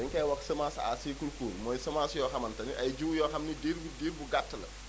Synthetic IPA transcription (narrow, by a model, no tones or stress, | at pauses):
ɛŋkɐjwɐksɐmaːsa̰ːsiːkulkoːnmɔːjsɐmaːsjɔːxɐmɐntɐniʔɐjd͡ʒuwjɔːxɐmnideɾbudeːɾbuɡatːɐlɐ̰